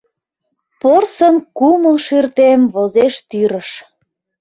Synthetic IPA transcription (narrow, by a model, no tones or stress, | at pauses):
porsənkuməlʃyrt̪emβozeʃt̪yɾəʃ